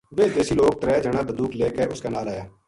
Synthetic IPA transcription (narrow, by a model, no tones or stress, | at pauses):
beːd̪eːsiːloːk̚t̪ɾɛːd͡ʒəɽ̃aːb̪əd̪uːkleːkeʊskeːnaːlaːjaː